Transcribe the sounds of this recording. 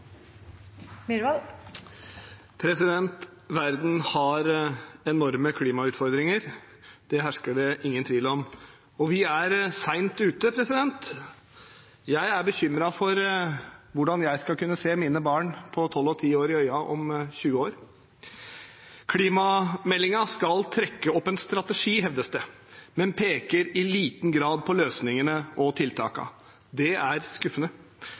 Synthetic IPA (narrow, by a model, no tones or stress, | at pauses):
mɪɾʋɑl | pʰɾɛsɪd̪ɛnt̪ | ʋæɾd̪n̩hɑɾɛnɔɾməkʰliːmɑʉːt̪fɔɾd̪ɾɪŋəɾ | d̪̥ɛɦæʂkəɖɛʔɪŋːənt̪ʰʋiːlɔm | ɔʋɪæɾsæɪnt̪ʉːt̪əpʰɾɛsɪd̪ɛnt̪ | jæɪæɾbəçʏmɾɑfɔɾ | ʋʊɖɑnjæɪskɑlkʉnːəseːmiːnəbɑːɳpʰɔt̪ʰɔlːɔt̪ʰiːoːɾɪœʏɑʔɔ̰mɕʉːəoːɾ | kʰliːmɑmɛlːɪŋɑskɑlt̪ʰɾɛkːəɔpːɛnst̪ɾɑt̪əʂiːɦɛʋd̪əsd̪ə | mɛnpʰeːkəɾɪliːt̪n̩ɡɾɑːd̪̚pʰɔløːsnɪŋənəʔɔt̪ʰɪlt̪ʰɑ̰ːkɑ̰ | d̪ɛæɾskʉfːənə